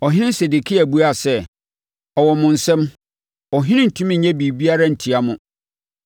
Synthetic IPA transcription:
ɔ˨ɦɪ̃˦nɪ̃˦se˨de˨kʰi˦æ˨bu˦a˦˨sɛ˦ | ɔ˨wɔ˨mʊ̃˨n̩˨sɛ̃˦m | ɔ˨ɦɪ̃˦nɪ̃˦n̩˨tʰũ˦m̃˦ɲɛ̃˦bi˨bi˦a˦ɾa˦n̩˨tʰi˨a˦mʊ̃˨

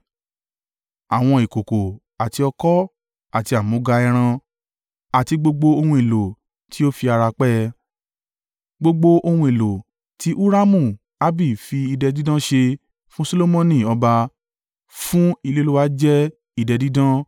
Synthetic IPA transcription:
a˨w̃ɔ̃˧i˨ko˨ko˨ | a˨ti˧ɔ˧kɔ˦ | a˨ti˧a˨mõ˨˧˦ɡa˧ɛ˧ɾ̃ã˧ | a˨ti˧ɡ͡bo˧ɡ͡bo˧o˧hũ˧i˨lo˨ | ti˨˦o˦fi˧a˧ɾa˧k͡pɛ˦ | ɡ͡bo˧ɡ͡bo˧o˧hũ˧i˨lo˨ | tʰi˦ʔu˦ɾa˦mũ˦˨ | a˦bi˦˨fi˧i˧dɛ˧di˦dã˦ʃe˧ | fũ˦so˦lo˦mɔ̃˦nĩ˦˨ɔ˧ba˧ | fũ˦i˧le˦lu˦wa˦d͡ʒɛ˦ | i˧dɛ˧di˦dã˦

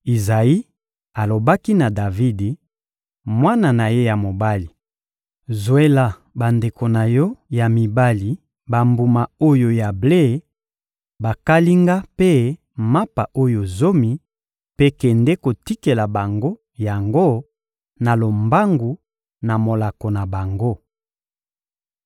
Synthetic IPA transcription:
i˨za˨i˦ | a˨lo˨ba˦ki˦na˨da˨vi˦de˨ | mwa˦na˨na˨je˦ja˨mo˨ba˦li˨ | zo˨e˦la˨ | ba˨nde˨ko˨na˨jɔ˦ja˨mi˨ba˦li˨ | ba˨mbu˨ma˨o˦jo˨ja˨ble˦˨˦ | ba˨ka˦li˦ŋɡa˦pe˦ | ma˦pa˨ʔo˦jo˨zo˦mi˨ | pe˦kɛ˨ndɛ˦ko˨ti˦ke˨la˨ba˨ŋɡo˦ | ja˨ŋɡo˦ | na˨lo˨mba˦ŋɡu˨ | na˨mo˨la˨ko˨na˨ba˨ŋɡo˦

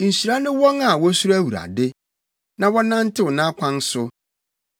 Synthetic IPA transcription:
n̩˨si˨ɾa˦nʊ̃˦wɔ̃˦ŋa˨wɔ˦su˦ɾæ˦wu˨ɾa̰˨dɪ˦ | nã˨wɔ˦nã˦n̩˦tʰɪ˦wʊ˨nã˦kʷʰã˦n˦sʊ˦

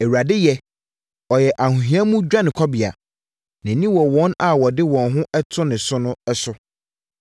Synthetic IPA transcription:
e˨wu˨ɾa˨dɪ˦jɛ˦ | ɔ˨jɛ˨ʔa˨hũ˨ɦĩ˨˦a˦mũ˦d͡ʑᶣã˦nɪ̃˨kʰɔ˦bi˨a̰˨ | nã˨nĩ˦wɔ˨wɔ̃˦na˨wɔ˨dɪ˦wɔ̃˨nɦʊ̃˦ɛ˦tʰʊ˦nɪ̃˨sʊ˦nʊ̃˦ɛ˦sʊ˦

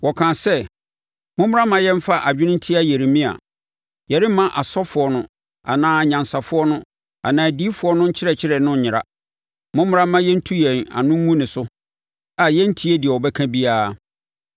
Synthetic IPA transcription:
wɔ˨kʰãː˨sɛ˦ | mʊ̃˦m˦ɾa˦mã˨jɛ̃˦m̩˦fa˦ʔa˨d͡ʑᶣɪ˦nʊ̃˦n̩˦tʰi˦a˦je˨ɾi˨mĩ˦a̰˨ | jɛ˨ɾɪ˦mã˦ʔa˨sɔ˦fʊ˨ɔ˦nʊ̃˦ | a̰˨nãː˦˨ɲã˨nsa˨fʊ˦ɔ˦nʊ̃˦ | a̰˨nãː˨di˦fʊ˦ɔ˦nʊ̃˦ɲ̩˦t͡ɕʰɪ˦ɾɛ˨t͡ɕʰɪ˦ɾɛ˨nʊ̃˦˨ɲɪ̃˨ɾa̰˦ | mʊ̃˦mʊ˦ɾa˦mã˦jɛ˦n̩˦tʰu˦jɛ̃˨na̰˨nʊ̃˦ŋ˦ŋũ˦nɪ̃˨sʊ˦ | a˨jɛ˦n̩˦tʰi˦e˦dɪ˨ɛ˨wɔ˨bɛ˦kʰã˦bi˦aː˦

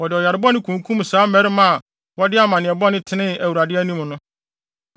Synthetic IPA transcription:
wɔ˨dɪ˨ɔ˨ja˨ɾɪ˨˦bɔ˦nɪ̃˦kʰũ˨ŋ˨kʰũ˦m˨saː˦mɛ˦ɾɪ˦mã˦a˨ | wɔ˦dɪ˦a˦mã˨nɪ̃˨ɛ˨bɔ˦nɪ̃˦tʰɪ˦nɪ̃˦æ˨wu˨ɾa˨dɪ˦æ˦nĩ˦m˨nʊ̃˦

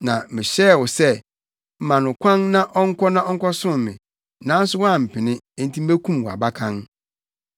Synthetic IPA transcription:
nã˨mɪ̃˨ɕɛ˦˨wʊ˨sɛ˦ | m̩˨mã˨nʊ̃˨kʷʰã˦nnã˦ʔɔ˦ŋ̩˦kʷʰɔ˦nã˦ɔ˦ŋ̩˦kʰɔ˦sʊ̃˦mɪ̃˨ | nã˨˦n˦sʊ˦wɔ˦a˨m̩˨pʰɪ˨nɪ̃˦e˦n̩˦tʰĩ˦m̩˦e˦kʰũ˦m˨wɔ˨a̰˨ba˦kʰã˦n

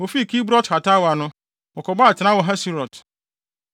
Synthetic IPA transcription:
wo˨fi˦˨kʰi˦bɾɔ˦tha˨ta˦wa˨nʊ̃˦ | ɔ˨kʰɔ˨ba˦a˨tʰɪ˨nã˦wɔ˨ɦa˦si˦ɾɔ˨t

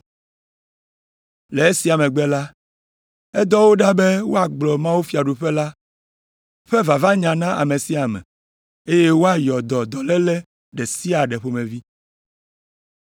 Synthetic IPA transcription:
le˨e˦si˨a˨mẽ˨ɡ͡bɛ˦la˦ | ɛ˦d̪ɔ˦wo˦ɖa˦be˦wo˦a˨ɡ͡blɔ˨mã˦wu˦fi˨a˨ɖu˨ɸɛ˦la˦ | ɸɛ˦va˨va˦ɲã˨nã˦ʔa̰˨me˨si˦a˨mɛ̰̃˨ | e˦je˦wo˦a˦jɔ˨d̪ɔ˨d̪ɔ˨lɛ˦lɛ˦ | ɖe˨si˦a˨ɖɛ˨ɸo˦mẽ˨vi˦

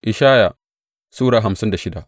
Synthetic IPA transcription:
ʔɪ˨ʃaː˦ja˨ | suː˦ɽaː˨ɦa˨msɪ˦nda˨ʃɪ˦da˨ʔ

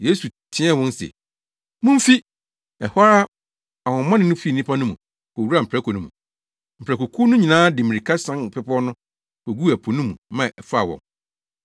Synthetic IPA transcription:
je˦su˨tʰɪ̃˦ɛ˦˨wɔ̃˦n˦sḛ˨ | mʊ̃˦m̩˦fi˦ | ɛ˨ha˦ɾa˦ | a˨wɔ̃˨m˦mã˦nɪ̃˦nʊ̃˦fi˦˨nĩ˦pʰa˦nʊ̃˦mṵ̃˨ | kɔ˨wu˦ɾa˨m̩˨pʰɾɛ˦kʰɔ˨nũ˦mũ˨ | m̩˨pʰɾæ˨kɔ˨kʰuː˦nʊ̃˦ɲĩ˨nãː˦dɪ˨mĩ˨ɾi˨kʰa˦sã˦ŋ˨pʰɛ˦pʰɔ˦nʊ̃˦ | kɔ˨ɡu˦æ˨pʰo˨nũ˦mũ˨mã˨ʔɛ˨fʊ˦a̰˨wɔ̰̃˨ŋ

